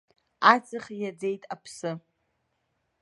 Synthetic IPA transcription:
at͡sʼɨχʲjad͡zejtʼapʰsɨ

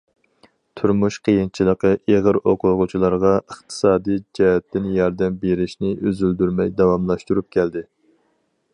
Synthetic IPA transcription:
t̪ʰuɾmuʃqʰəjint͡ʃʰilˠəqəʔeʁəɾoqʰʊʁʊt͡ʃʰilˠɑɾʁɑəχt̪ʰɨ̥sɑːd̪ijd͡ʒɛɦɛt̪ːɪnjɑɾd̪ɛmbeɾɪʃnɪʔøzyld̪yɾmɛjd̪ɑwɑmlˠɑʃt̪uɾup̚kʲʰɛld̪ɪ

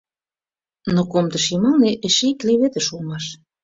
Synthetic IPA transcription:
nokomd̪ə̆ʃimɑlneʔeʃeik̪leβet̪ə̆ʃulmɑʃ

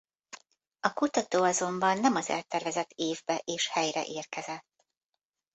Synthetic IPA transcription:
ɒkut̪ɒt̪oːɒzo̞mbɒnːɛmɒzɛ̰lt̪ɛrvɛzɛt̪ːeːvbɛʔeːʃhɛjrɛ̰ʔeːrkɛzɛt̪ː

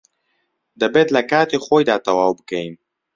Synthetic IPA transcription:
d̪əbed̪lakaːt̪exojd̪ɑːt̪awaːbkaim

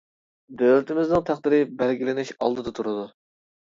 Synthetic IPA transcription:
d̪ølɪt̪ʰɪmɪznɪŋt̪ʰæχd̪ɪɾɪbæɾɡʲilɪnɪʃɑ̰lˠd̪ɨd̪ɑt̪ʰuɾɨd̪u

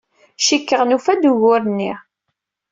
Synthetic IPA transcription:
ʃikːəʁnufæd̪uʝʊɾənːḭ

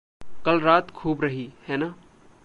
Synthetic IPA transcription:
kɐlɾaːt̪kʰuːbɾɐɦihɛːnaː

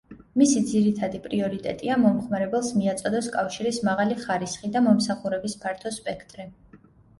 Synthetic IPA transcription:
misid̪ziɾit̪ʰad̪ipʼɾiɔɾit̪ʼɛ̰t̪ʼiamɔmχmaɾɛbɛlˠsmiat̪sʼɔd̪ɔskʼafʃiɾismaʁaliχaɾisχid̪amɔmsaχuɾɛbispʰaɾt̪ʰɔspʼɛkʰt̪ʼɾi

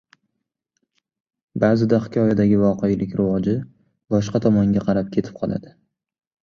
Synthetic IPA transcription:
baːzɪd̪aχɪkʲʰɒjad̪aɡʲɪvɒqejlɪkʲɾavɒd͡ʒɪ | bɒʃqɑt̪ʰɒmɒŋɡʲaqʰɑɾap̚kʲʰe̞t̪ʰɪ̥p̚qʰɒlˠa̰d̪ɪ

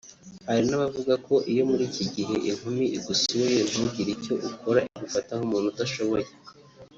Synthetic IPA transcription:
haɾinaβavuɡakʰo̞ʔijo̞muɾiːciɟiɦe̞ʔiŋ̥humiʔiɡusiwojen̥ubɟiɾico̞ʔukʰo̞ɾaʔiɡufatahomuːn̥hutaʃo̞βo̞je

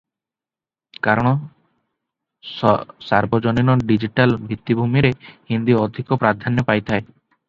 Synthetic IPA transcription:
kaɾɔɽ̃ɔ | saɾbɔd͡ʒɔninɔɖid͡ʒiʈalbʱit̪ːibʱumiɾehind̪iɔd̪ʱikɔpɾad̪ʱanjɔpajt̪ʰae

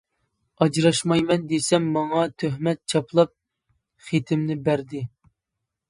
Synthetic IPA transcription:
ɑd͡ʒɾɑʃmɑjmɛnd̪esɛmːɑŋɑt̪ʰøɦmɛt̪̚t͡ʃʰɑplˠɑp̚ | χet̪ʰɪmnɪbæɾd̪ɪ

